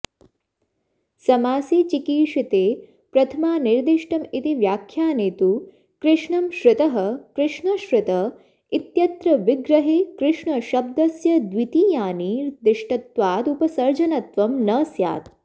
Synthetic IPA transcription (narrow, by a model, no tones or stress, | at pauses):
sɐmaːsiːt͡ʃikiːʂit̪eː | pɾɐt̪ʰɐmaːniɾd̪iʃʈɐmit̪iʋjaːkʰjaːneːt̪u | kɾɪʂɳɐmʃɾɪt̪ɐɦɐkɾɪʂɳɐʃɾɪt̪ɐ | it̪jɐt̪ɾɐʋiɡɾɐɦeːkɾɪʂɳɐʃɐb̚d̪ɐsjɐd̪ʋit̪iːjaːniːɾd̪ɪʂʈɐt̪ʋaːt̪upɐsɐɾd͡ʒɐnɐt̪ʋɐmnɐːsja̰ːt̪